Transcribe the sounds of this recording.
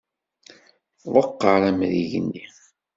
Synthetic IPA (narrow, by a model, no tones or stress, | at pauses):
ðˤəqːəɾˤæmðiʝə̰nːi